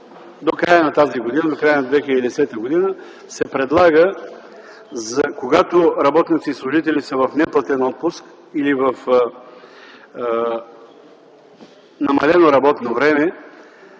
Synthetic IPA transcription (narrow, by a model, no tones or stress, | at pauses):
d̪okɾajənɐt̪aziɡod̪inəd̪okɾajənɐd̪vɛxiləd̪id̪ɛsɛt̪əɡod̪inə | sɛpɾɛd̪lˠaɡə | zɐkoɡat̪oɾɐbɔt̪nit̪sislˠʊʒit̪ɛlisəvɐfnɛplˠət̪ɛnɔt̪̚pʊsk | ilivəf | nɐmɐlɛnoɾɐbɔt̪novɾɛmɛ